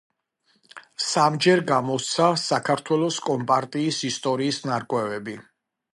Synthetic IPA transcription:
samd͡ʒɛɾɡamɔt̪sʰasakʰaɾt̪ʰwɛlˠɔskʼɔmpʼaɾt̪ʼiːsist̪ʼɔɾiːsnaɾkʼwɛvɛbi

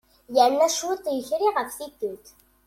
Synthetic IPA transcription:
jəɾnæʃwut̪ˤjəçɾiʁəfθiɡːəlt̪

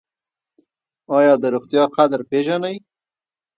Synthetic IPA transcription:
ɑjɑd̪əɾuxt̪jɑqad̪ɾpeʒanaj

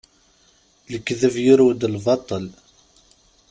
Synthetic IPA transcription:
ləkːðəvjiɾud̪əlvɑt̪ˤəl

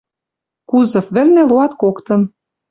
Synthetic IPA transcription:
kuzɤ̆fβɘ̆rnĕloɑt̪kokt̪ɤ̆m

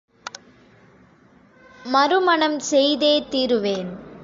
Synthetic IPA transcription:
mɐɾɯmɐɳɐmsɛjðeːt̪iːɾɯʋeːn

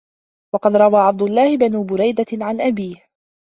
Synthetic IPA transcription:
wɑqɑd̪ɾˤɑwaːʕab̚d̪ʊlˤːɑːhɪbanuːbʊɾajd̪aʕanʔabiːh

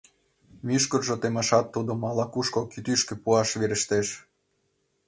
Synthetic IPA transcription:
myʃkorʒŏt̪emɑʃɑt̪ːud̪omɑlɑkuʃkokyt̪yʃkĕpuɑʃβeɾɘ̆ʃt̪eʃ

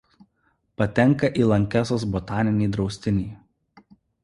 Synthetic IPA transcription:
pɐt̪ʲɛŋˑkɐʔiːlˠɐŋʲkʲæsoːsbɔt̪ɑːnʲɪnʲiːd̪ɾɒʊsʲt̪ʲɪnʲiː

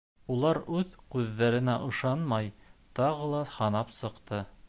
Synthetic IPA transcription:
ulˠɑɾʉðkʉðːæɾɘ̆næʔɤ̆ʃɑnmɑjt̪ɑʁɤlˠɑhɑnɑpsɤ̆qt̪ɤ

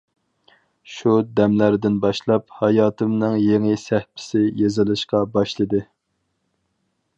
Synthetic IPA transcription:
ʃud̪ɛmlæɾd̪ɪnbɑʃlˠɑphɑjɑːt̪ʰɨmnɨŋjeŋɪsæhpʰɪ̥sɪjezɨlˠɨʃqɑbɑʃlˠɨd̪ɨ

